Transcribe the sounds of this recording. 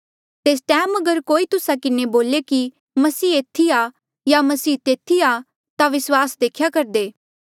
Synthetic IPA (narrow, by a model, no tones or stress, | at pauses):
t̪eːs̬ʈɛːmɐɡəɾkoːit̪ʊsakɪneboːleki | mɐsiːeːt̪ʰːia | jamɐsiːt̪eːt̪ʰːia | t̪aʋɪswaːsd̪eːkʰjakɐɾd̪eː